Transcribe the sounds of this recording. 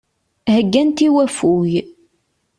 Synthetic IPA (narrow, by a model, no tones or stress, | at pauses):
həɡːænt̪iwæfuj